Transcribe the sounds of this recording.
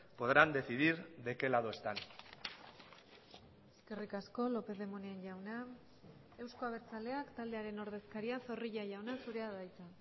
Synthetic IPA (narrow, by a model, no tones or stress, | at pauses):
po̞ðɾand̪e̞θiðiɾd̪e̞ke̞laðoest̪an | e̞ske̞rikasko̞lo̞pe̞ðe̞moneenʝawna | e̞wsko̞aβ̞e̞ɾt͡sale̞akt̪ald̪e̞aɾe̞no̞ɾð̞e̞skaɾiaso̞riʎaʝawnasuɾe̞aðajt͡s̪a